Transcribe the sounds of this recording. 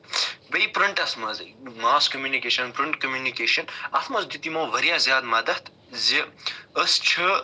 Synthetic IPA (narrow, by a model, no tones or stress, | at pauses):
bɐipɾiɳʈɐsmɐzɐmaːskɐmjuːnikeːʃɐnpɾiɳʈkɐmjunikeːʃɐnɐt̪ʰmɐzd̪it̪imoːʋɐɾjaːzjaːd̪maːd̪ɐht̪ | ziəst͡ʃʰə